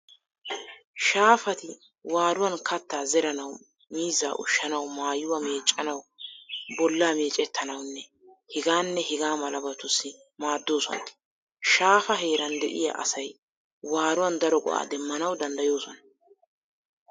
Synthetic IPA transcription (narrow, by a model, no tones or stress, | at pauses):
ʃaːfɐt̪ɪ | waːɾʊwɐnkɐt̪ːaːzɛɾɐnɐw | miːzːa̰ːʔʊ̰ʃːɐnɐwmaːjːʊwɐme̞ːt͡ʃʼːɐnɐw | bɔlːaːme̞ːt͡ʃʼɛt̪ʰːɐnɐwnːɛ | hɪɡaːnːɛhɪɡaːmɐlɐbɐt̪ːʊsːɪ | maːd̪ːo̞ːsɔ̰n | ʃaːfɐɦe̞ːɾɐnd̪ɛ̰ʔɪ̰ja̰ʔɐ̰sɐj | waːɾʊwɐnd̪ɐɾɔɡɔ̰ʔa̰ːd̪ɛmːɐnɐwd̪ɐnd̪ɐjo̞ːsɔnɐ